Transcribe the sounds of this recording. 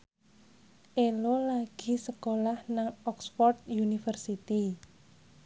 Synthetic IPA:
ʔelolaɡ̥i̤səkolahnaŋɔksfɔrt̪̚junifərsit̪i

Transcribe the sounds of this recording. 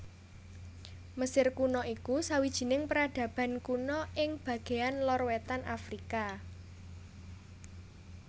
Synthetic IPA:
məsɪrkunɔikusawid̥ʒ̥i̤nɪŋpəɾaɖ̥ä̤b̥a̤nkunɔɪŋb̥ä̤ɡ̥e̤anlɔrwɛt̪anʔafɾika

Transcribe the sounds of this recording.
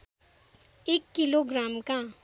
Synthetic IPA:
ekːiloɡramkã

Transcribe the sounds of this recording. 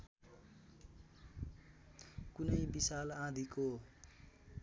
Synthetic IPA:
kunʌjbisalãd̪ʱiko

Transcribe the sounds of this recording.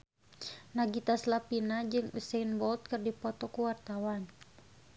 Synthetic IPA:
naɡit̪aslapinad͡ʒɨŋusenbɔlt̪̚kɨrdipɔt̪ɔkuwart̪awan

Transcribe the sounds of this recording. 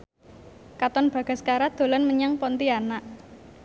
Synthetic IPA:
kat̪ɔnb̥ä̤ɡ̥a̤skaɾad̪̥o̤lɔnməɲaŋpɔnt̪ianaʔ

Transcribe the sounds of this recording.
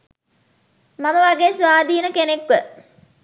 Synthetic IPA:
maməʋaɡeːsʋaːd̪iːnəkenekʋə

